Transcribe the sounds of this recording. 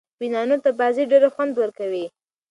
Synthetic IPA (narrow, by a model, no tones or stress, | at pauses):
winɑnot̪abɑziɖeɾaxwand̪wəɾkawi